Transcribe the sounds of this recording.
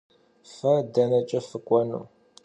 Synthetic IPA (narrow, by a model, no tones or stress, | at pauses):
fɐdɐnɐt͡ʃʼɐfɨkʷʼɔnṵː